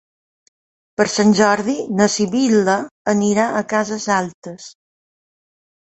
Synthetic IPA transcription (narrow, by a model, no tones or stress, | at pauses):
pəɾsanʲʒɔɾðinəsiβiləəniɾaʔəkazəzalˠt̪əs